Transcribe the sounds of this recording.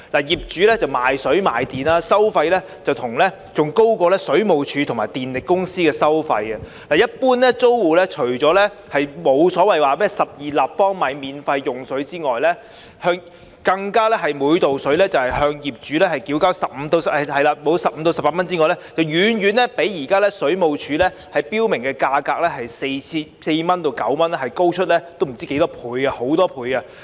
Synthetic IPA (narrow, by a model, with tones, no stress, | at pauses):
laː˨˩jiː˨˩p̚t͡ʃyː˨˥lɛː˥t͡sɐ˨wmaː˨jsɵ˨˥ɥma̰ː˨˩jt̪iː˨naː˧sɐ˥wfɐ˧jlɛː˥ | t͡sɐ˨wt̪ʰʊ˨˩ŋlɛː˥ | t͡sʊ˨ŋko˥wkɔː˧lɛː˥sɵ˨˥ɥmo˨˩wt͡ʃʰyː˨˧t̪ʰŋmaː˨jt̪iː˨nlɪ˨kːʊ˥ŋsiː˥kɛː˧sɐ˥wfɐ˧jɐ˧ | laː˨˩jɐ˥t̚puː˥nlɛ˥t͡so˥wwuː˨˧lɛː˥t͡ʃʰɵ˨˩ɥt͡sɔː˨˥lɛː˥ | hɐ˨jmo˨˧wsɔː˨˥wɐ˨jwaː˨mɛː˥sɐ˨p̚jiː˨laː˨p̚fɔː˥ŋmaː˨˧jmiː˨nfɐ˧jːʊ˨ŋsɵ˨˥ɥt͡siː˥ŋɔː˨jlɛ˥ | hœː˧ŋ | kɐ˧ŋkaː˥lɛː˥ɦɐ˨jmuː˨˧jt̪o˨wsɵ˨˥ɥlɛː˥t͡sɐ˨whɐ˨jhœː˧ŋjiː˨p̚t͡ʃyː˨˥lɛː˥hɐ˨˩jkiː˨˥wkaː˥wsɐ˨p̚m̩˨˧˥t̪o˧wsɐ˨hɐ˨jlaː˧mo˨˧wsɐ˨p̚m̩˨˧t̪o˧wsɐ˨paː˧tmɐ˥nt͡siː˥ŋɔː˨˩lɛ˥t͡sɐ˨wjyː˨˧njyː˨˧nlɛ˥pe˨˥jjiː˨˩kaː˥lɛː˥sɵ˨˥ɥmo˨˧wt͡ʃʰyː˨˥lɛː˥ | hɐ˨jpiː˥wmɪ˨˩ŋkɛː˧kaː˧kaː˧k̚lɛː˥ɦɐ˨jse˧jt͡sʰiː˧˥se˧jmɐ˥nt̪o˧wkɐ̰˨˥wmɐ˥nlɛ˥hɐ˨˩jko˥wt͡ʃʰɵ˥t̚lɛː˥t̪o˥wm̩˨˩t͡siː˥ke˨˥jt̪ɔː˥pʰuː˨˧jɡa˧ho˨˥wt̪ɔː˥pʰuː˨˧jɡɐ˧